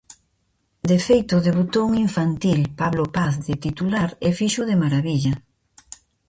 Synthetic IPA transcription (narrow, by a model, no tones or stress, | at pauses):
d̪efejt̪ʊðeβut̪ouŋiɱfant̪ilpaβlopaθðɪt̪it̪ulaɾefiʃuð̞emaɾaβiʎɐ